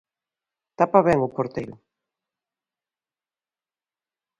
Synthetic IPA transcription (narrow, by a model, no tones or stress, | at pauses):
t̪apaβɛŋokoɾt̪ejɾʊ̰